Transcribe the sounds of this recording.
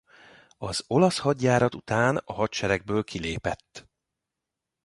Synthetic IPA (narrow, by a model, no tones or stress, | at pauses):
ɒzo̞lɒshɒɟːaːɾɒt̪ut̪aːnɒɦɒt̪t͡ʃɛɾɛɡ̚bøːlkʰileːpɛt̪ː